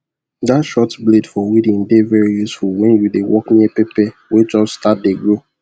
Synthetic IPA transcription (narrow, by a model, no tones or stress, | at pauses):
datʃɔtbledfɔwidĩŋdevɛɹijusfuwɛ̃njudewʔɔkniiɛpepɛwed͡ʒɔbstat̚deɡɹo